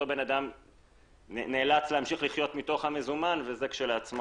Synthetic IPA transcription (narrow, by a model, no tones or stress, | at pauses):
obe̞nad̪am | eneːlat͡slehamʃiχliχjo̞t̪mito̞χhame̞zumanvezekʃeleat͡smo